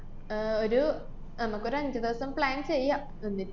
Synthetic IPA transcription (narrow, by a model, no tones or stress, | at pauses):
oɾu | nɐmukːo̞ɾuɐɲd͡ʑɐd̪eːsɐmpɭaːnt͡ɕejaː | enːi